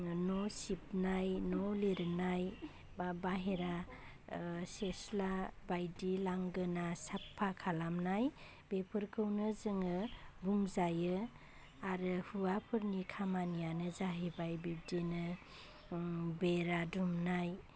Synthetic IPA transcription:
nɔsip̚najnɔleɾɯnaj | baɦeɾa | seslabajdilaŋɡɯnasapʰːakʰalamnaj | b̥epʰɯɾkʰɯwnɯzɯŋɯbuŋzajɯ | aɾɯhuapʰɯɾnikʰamanijanɯzaɦibajbib̚denɯ | beɾadumnaj

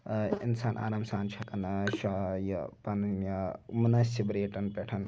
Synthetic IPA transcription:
insaːnʔa̰ːɾɐmsaːnt͡ʃʰɐkɐnʃɐjɐpɐnnjɐumnɐsibɾeːʈɐnpeʈʰɐn

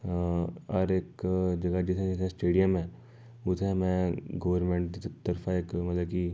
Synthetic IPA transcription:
ɐɾeːkd͡ʒɐɡad͡ʒɪt̪ʰɦɛ̃d͡ʒɪt̪ʰɦɛ̃sʈeːɖijəmɦɛ̃ | ʊt̪ʰɦɛ̃mɛ̃ɡɐʋəɾmẽɳʈt̪ɐɾfʰaeːkmɐt̪ləb̚ki

